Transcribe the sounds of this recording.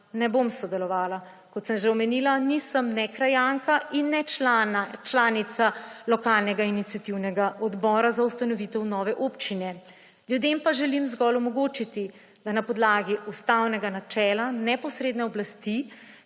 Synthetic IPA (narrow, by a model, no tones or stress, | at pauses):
nɛbomsɔd̪ɛlɔʋaːla | kɔt̪səmʒeɔmɛniːlanisəmnɛkɾajaŋkaʔinːɛ | t͡ʃlaːnit̪salɔkaːlnɛɡainit̪sijat̪iwnɛɡaʔɔd̪bɔːɾazaust̪anɔʋit̪ɛwnɔːʋɛʔopt͡ʃinɛ | ljud̪empaʒɛlimzɡɔlumɔɡoːt͡ʃit̪i | d̪̥anapɔd̪laːɡiust̪awnɛɡanat͡ʃɛːlanɛpɔsɾeːd̪nɛɔblast̪i